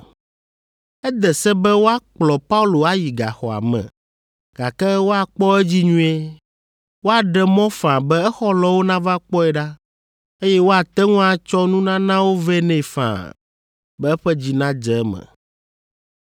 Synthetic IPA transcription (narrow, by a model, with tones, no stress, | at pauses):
ɛ˦d̪ɛ˨sɛ˦bɛ˦wo˦a˦k͡plɔ˨pa˦u˦lo˨a˦ji˨ɡa̰˨xɔ̰˨a̰˨mɛ̰̃˨ | ɡ̥a̰˨kɛ˦wo˦a˨k͡pɔ˦ɛ˦d͡ʑi˦ɲũ˦e˦ | wo˦a˨ɖɛ˨mɔ̃˦fã˨bɛ˦ɛ˦xɔ˦lɔ˨wo˦nã˦va˦k͡pɔ˦ɛ˨ɖa˦ | e˦jɛ˦wo˦a˨t̪ɛ˦ŋũ˦a˨t͡ʃɔ˦nũ˦nã˦nã˦wo˦vɛ˦nɛ̃˦˨fã̰˨ | bɛ˦ɛ˦ɸɛ˦d͡ʑi˨nã˦d͡ʒɛ˨˦mɛ̰˨